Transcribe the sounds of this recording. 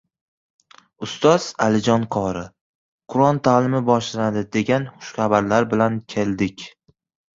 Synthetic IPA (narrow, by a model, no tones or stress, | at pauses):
ʊst̪ʰɒz̥alɪd͡ʒɒnqʰɒɾɪ | qʰʊɾɒnt̪ʰalɪmɪbɒʃlaanad̪ɪd̪e̞ɡʲanχʊ̥ʃχabaɾlaɾbɪlankʲʰe̞ld̪ɪkʲ